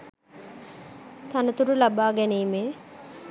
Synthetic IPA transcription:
t̪anət̪uɾulabaːɡɛniːmeː

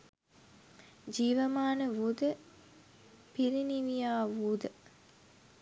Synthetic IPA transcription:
d͡ʒiːʋəmaːnəʋud̪ə | piɾiniʋijaːʋud̪ə

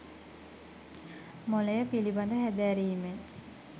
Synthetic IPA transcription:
molejəpiliband̪əɦæd̪æɾiːme

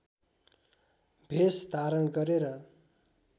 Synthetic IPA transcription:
bʱesd̪aɾʌnɡʌɾeɾʌ

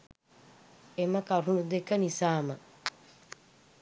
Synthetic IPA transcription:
eməkaɾunud̪ekːənisaːmə

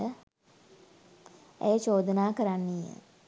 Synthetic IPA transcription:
ə | ḛjət͡ʃoːd̪ənaːkəɾanːijə̰

